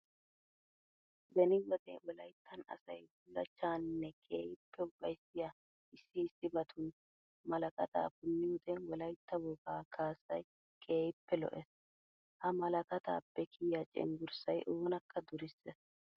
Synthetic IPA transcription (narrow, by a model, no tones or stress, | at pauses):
d̪ɛnɪwɔd̪ɛ̰wɔlɐjt̪ʰːɐnɐ̰sɐjbʊlːɐ̰t͡ʃːaːnnːɛkʼḛːjɪpːɛʊɡʼɐjsɪja | ɪsːɪːsːɪbɐt̪ʰʊn | mɐlɐkʼɐt̪a̰ːbʊnːɪwʊd̪ɛwɔlɐjt̪ːɐwɔɡaːkʰaːsɐj | kʼe̞ːjɪpːɛlɔ̰ʔɛs | hɐmɐlɐkʼɐt̪a̰ːbɛkʰiːjat͡ʃʼɪ̰ŋɡʊɾsɐjʔoːnɐkʰːɐd̪ʊɾɪsːɛs